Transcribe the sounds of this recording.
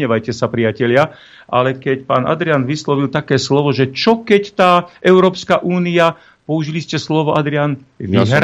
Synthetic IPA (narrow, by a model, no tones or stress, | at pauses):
ɲɛʋajcɛsapɾɪacɛʎɪa | ʔa̰lɛkɛcpa̰ːnʔa̰d̪ɾɪanʋislɔʋilt̪akɛːslɔʋɔʒɛt͡ʃɔkɛct̪aːʔɛʊɾɔːpskaʔuːnia | pɔuʒiliscɛslɔʋɔʔad̪ɾɪan